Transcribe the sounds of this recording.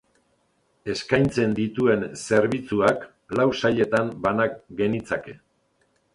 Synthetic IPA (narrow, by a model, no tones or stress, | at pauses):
e̞skajnt͡se̞nd̪it̪ue̞nse̞ɾβit͡suak | lawsaʎe̞t̪ambanak̚ɡe̞nit͡sake̞